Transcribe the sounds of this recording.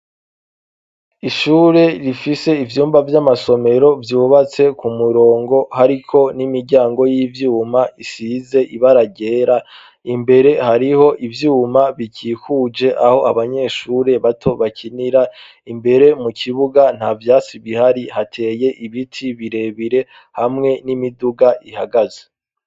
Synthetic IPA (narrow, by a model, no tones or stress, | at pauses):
iʃuːɾe̞ɾifise̞ivjuːmbavjamaso̞me̞ɾo̞vjuːβat͡se̞kumuɾo̞ːŋɡo̞haɾikʰo̞nimiɾɟaːŋɡo̞jivjuːmaisize̞ʔiβaɾaɟe̞ːɾa | imbe̞ɾe̞haɾiho̞ʔivjuːmaβicikud͡ʒe̞ʔaho̞ʔaβaɲe̞ːʃuːɾe̞βatʰo̞βacʰiniɾa | imbe̞ɾe̞mukʰiβuɡan̥havjaːt͡siβihaɾihatʰe̞ːje̞ʔiβitʰiβiɾe̞βiɾe̞ | hamŋe̞nimiduɡaʔihaɡaze